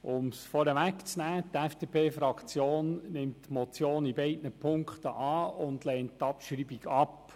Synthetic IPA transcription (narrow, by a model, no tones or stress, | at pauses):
ʊmsfɔɾəʋækt͡snæːtɛfd̥epʰeːfɾɑkt͡sjoːnnɪmtːmɔt͡sjoːnibɛɪdnəpʰʊŋkχtə̰ʔɑːʊndlɛnttːɑpʃɾibiɡɑp